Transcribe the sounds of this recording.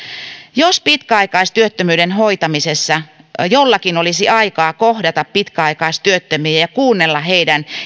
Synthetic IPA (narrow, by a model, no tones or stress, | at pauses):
jospit̪kæɑikɑist̪yøt̪ːømyːɾenhoit̪ɑmisesːɑjolːɑkinolisiɑikɑːkohdɑt̪ɑppit̪kæɑikɑist̪yøt̪ːømyːjɑkuːnːelːɑheidæn